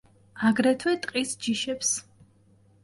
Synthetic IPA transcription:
aɡɾɛt̪ʰwɛt̪ʼqʼisd͡ʒiʃɛps

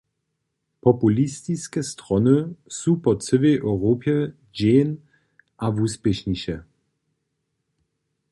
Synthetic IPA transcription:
pɔpulistiskɛstʁɔnɨsupɔt͡səvɛjʔœwʁoːpjɛ | d͡ʑeːn | ʔavuspʲjɛʃɲiɕɛ

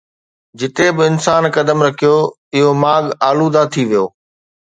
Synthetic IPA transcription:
d͡ʑɪt̪ebɪɪnsaːnkɐd̪əmɾɐkʰijo | ɪɦomaːɠaːluːd̪at̪ʰiʋijoː

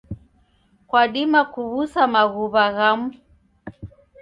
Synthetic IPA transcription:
kwaɗimakuβusamaɣuβaɣamu

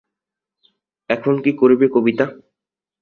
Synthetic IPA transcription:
ɛkʰonkikoɾebekobit̪a

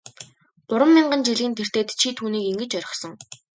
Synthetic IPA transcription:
pʊɾə̆mːiɴɢə̆nt͡ɕiɮɣiːnt̪ʰer̥t̪eːt̪t͡ɕʰit̪ʰuːniːkiŋɡɘ̆t͡ɕœɾʲɪ̆χsɞ̆ŋ

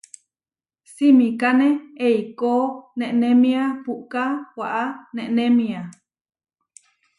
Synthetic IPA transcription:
simĩkanẽeikonẽʔnẽmĩapuʔkawaʔanẽʔnẽmĩa

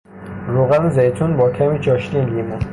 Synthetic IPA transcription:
ɾoːɣænzejt̪ʰunbɒːkʲʰæmiːt͡ʃʰɒːʃt̪inliːmu

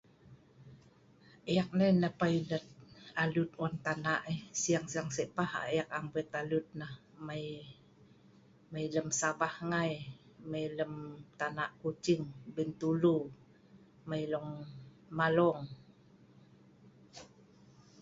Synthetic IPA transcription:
əjak̚nənəpailət̪̚alut̪̚want̪anaʔesiaŋsiaŋsɛʔpaha̰jakambɛt̪alut̪̚nah | maj | mailəmsabahŋaj | majləmt̪anaʔkut͡ʃiŋbənt̪ulu | majlɔŋ | malɔŋ

